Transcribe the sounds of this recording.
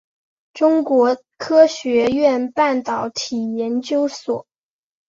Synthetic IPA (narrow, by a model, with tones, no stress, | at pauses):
ʈ͡ʂʊ˥ŋkwɔ˧˥ | kʰɤ˥ɕɥɛ˧˥ɥɛ˥˩˧npa˥˩nt̪ɑ˨˩ʊt̪ʰi˨˩jɛ˧˥nt͡ɕjo˥ʊswɔ˨˩˦